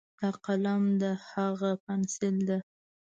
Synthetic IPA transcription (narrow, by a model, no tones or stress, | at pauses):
t̪aqalamd̪əhaɣapansɪld̪e